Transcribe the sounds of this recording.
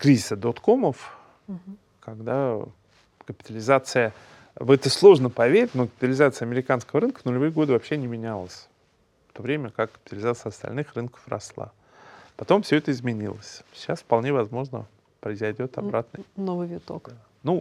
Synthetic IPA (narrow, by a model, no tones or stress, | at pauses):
kɾʲizʲɪsəd̪ot̪ko̞məf | kaɡd̪a | kəpʲɪ̥t̪əlʲɪzat̪sɨjə | vɛt̪əslˠo̞ʐnəpɐvʲeɾʲɪtʲnokəpʲɪt̪əlʲɪzat̪sɨjɐmʲɪɾʲɪkanskəvəɾɨnkənʊlʲɪvɨjəɡo̞d̪ɨvɐpɕːe̞nʲɪmʲɪnʲalˠəsʲ | ft̪o̞vɾʲemʲəkakːə̥pʲt̪əlʲɪzat̪sɨɪɐst̪ɐ̰lʲnɨxrɨnkə̥frɐ̰slˠa̰ | pɐt̪o̞mfsʲɵɛt̪əɪzmʲɪnʲḭlˠə̰sʲɕasfpɐlˠnʲevɐzmo̞ʐnə̰ | pɾəɪzɐjdʲo̞t̪ɐbɾat̪nənovɨvʲɪt̪ok | nu